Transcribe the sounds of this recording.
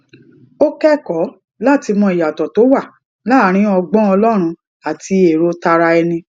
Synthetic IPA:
o˦kɛ˦kɔ˨˦ | la˦˨ti˧mɔ̃˧i˨ja˨tɔ˨to˨˦wa˦˨ | la˦ɾ̃ĩ˨˦ɔ˧ɡ͡bɔ̃˦ɔ˧lɔ˦ɾ̃ũ˧ | a˨tʰi˧e˨ɾo˧ta˧ɾa˧ɛ˧nĩ˧

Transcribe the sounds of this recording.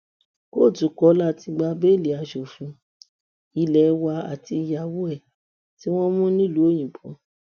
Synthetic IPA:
ko˦˨tu˨˦kɔ˨˦la˦˨ti˧ɡ͡ba˧be˦li˨˦a˧ʃo˨fũ˧ | i˨lɛ˨˧wa˧a̰˨ti˧ja˨wu˦ɛ˦˨ | ti˦w̃ɔ̃˦mũ˦nĩ˦lu˨˦o˦˨j̃ĩ˨k͡pɔ̰̃˨˦

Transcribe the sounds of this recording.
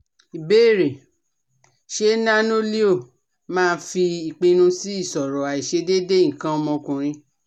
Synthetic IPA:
i˨be˦˨ɾe˨ | ʃe˦nã˦no˦li˦o˦˨ | mãː˦˧n̩˦fi˧i˨k͡pĩ˧nũ˧si˦i˦˨sɔ˨ɾɔ˨a˨i˨ʃe˧de˦de˦ĩ˦˨kã˧˦ɔ˧mɔ̃˧kũ˨ɾ̃ĩ˧

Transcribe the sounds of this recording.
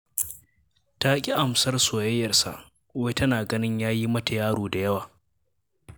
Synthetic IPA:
taː˦kʲʼi˦ʔa˨msɐ˦rsoː˨jɐ˦jːɐ˨rsa̰˨ʔ | we˦tɐ˦naː˨ɡɐ˦nɪ˦ɲjaː˦ji˦mɐ˦ta˨jaː˦ɽoː˨da˨jɐ˦waː˨

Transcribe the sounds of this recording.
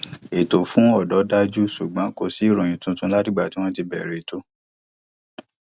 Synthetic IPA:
e˨to˨fũ˨˦ɔ˦˨dɔ˨˦da˦d͡ʒu˦su˨ɡ͡bã˨˦ko˧si˦i˦˨ɾɔ̃˨ĩ˨tũ˧˦tũ˦la˦dĩ˦ɡ͡ba˦˨ti˦w̃ɔ̃˦ti˧bɛ˨ɾe˨to˦

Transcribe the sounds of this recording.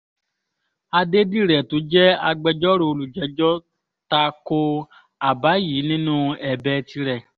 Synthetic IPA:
a˧de˦di˦˨ɾɛ˨to˨˦d͡ʒɛ˦a˧ɡ͡bɛ˧d͡ʒɔ˦ɾo˧o˧lu˨d͡ʒɛ˨˦d͡ʒɔ˦ | ta˧ko˧ | a˨ba˨˦jiː˨˦nĩ˦nũ˦ɛ˨bɛ˧˦ti˧ɾɛ˨

